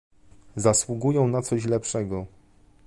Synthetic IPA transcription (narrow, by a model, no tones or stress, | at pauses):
zaswuɡujɛ̃w̃nat̪sɔɕ̬lɛpʂɛɡɔ